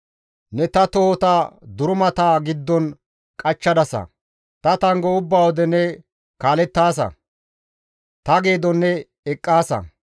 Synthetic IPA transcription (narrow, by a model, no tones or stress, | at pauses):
nɛt̪ɐt̪oːt̪ad̪ʊɾʊmɐt̪aːɡɪd̪ːɔn | kʼɐt͡ʃːɐd̪ɐsɐ̰ | t̪ɐt̪ɐŋɡɔʊbːaːwɔd̪ɛnɛ | kaːlɛt̪ːaːs̬ɐ̰ | t̪ɐɡe̞ːd̪ɔnːɛ | ɛkʼːaːsɐ̰